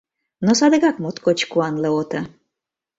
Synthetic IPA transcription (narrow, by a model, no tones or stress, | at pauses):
nosɑd̪əɣɑkmot̪kot͡ɕkuɑnleot̪ə